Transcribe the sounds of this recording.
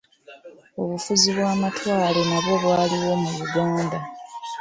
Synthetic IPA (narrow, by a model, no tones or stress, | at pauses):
o̞βufuziβwaːmatwaːle̞naβwo̞βwaːliwo̞muβuɡaːnda